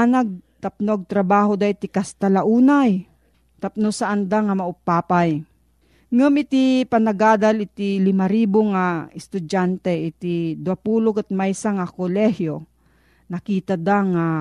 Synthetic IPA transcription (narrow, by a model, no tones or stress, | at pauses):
anaɡ̚t̪ap̚noɡ̚t̪ɾɐbaːɦod̪aɪt̪ɪkast̪alaʔuːnaj | t̪ap̚nosaʔand̪aŋamɐʊpaːpaj | ŋamɪt̪ipanɐɡaːd̪alɪt̪ilɪmaɾiboŋaɪst̪ʊd͡ʒant̪ɛʔɪt̪id̪uapuːlokat̪̚majsaŋakolɛhjo | nɐkiːt̪ad̪aŋa